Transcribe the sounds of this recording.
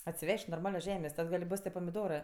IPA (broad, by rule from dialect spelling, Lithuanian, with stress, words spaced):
ɐtʲsʲɪˈʋʲɛʃʲtʲ noːrˈmɑːlʲoːs ˈʒʲæːmʲeːsʲ ˈtɐt ɡɐlʲ ˈboːs tʲiɛ pɐmʲɪˈdoːrɜ